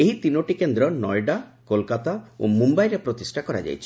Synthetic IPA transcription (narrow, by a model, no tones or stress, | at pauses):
eɦit̪inoʈikend̪ɾɔnɔjɖakolkat̪ao̰mumbajɾepɾot̪isʈʰakɔɾa̰d͡ʒa̰jt͡ʃʰi